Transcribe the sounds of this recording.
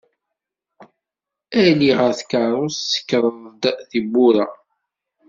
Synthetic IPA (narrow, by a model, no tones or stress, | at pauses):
æliʁəɾθkɑɾˤosːə̥kːəɾˤəd̪θibːʊɾa